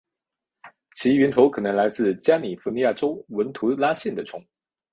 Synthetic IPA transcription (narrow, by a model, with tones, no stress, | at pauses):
t͡ɕʰi˧˥ɥy˧˥nt̪ʰo˧˥ʊkʰɤ˨˩nɤ˧˥ŋla˧˥ɪt͡sɹ̩˥˩t͡ɕja˥ni˨˩fu˧˥ni˧ja˥˩ʈ͡ʂo˥ʊwə˧˥nt̪ʰu˧˥la˥ɕjɛ˥˩nd̪ə˩ʈ͡ʂʰʊ˧˥ŋ